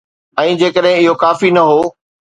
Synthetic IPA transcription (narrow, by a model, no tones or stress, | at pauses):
ɛ̃ːd͡ʑeːkəɗɦɪ̃ɪɦokaːfinɐɦoː